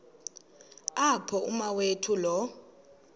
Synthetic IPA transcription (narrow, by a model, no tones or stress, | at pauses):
apʰɔumawetʰulɔ